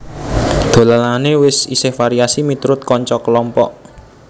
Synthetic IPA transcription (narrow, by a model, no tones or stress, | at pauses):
d̪̥o̤lalanewɪsḭsɪhfaɾiasimit̪ɾʊt̪̚kɔɲt͡ʃɔkəlɔmpɔ̰ʔ